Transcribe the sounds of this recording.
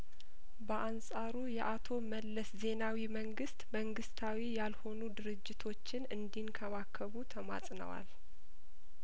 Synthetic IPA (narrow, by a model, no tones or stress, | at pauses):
bəʔansʼaɾujɛʔat̪ʰo̞məlːəsze̞nawiməŋɡɨst̪məŋɡɨst̪ʰawijalho̞nud̪ɨɾɨd͡ʒːɪt̪ʰo̞t͡ʃːɪnɨnd̪inkʰəβakʰːəβut̪ʰəma̰sʼnə̰wa̰l